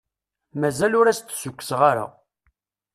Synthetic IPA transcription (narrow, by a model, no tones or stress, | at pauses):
mæzælʊɾæst̪ːsʊkʷːə̥sʁaɾa̰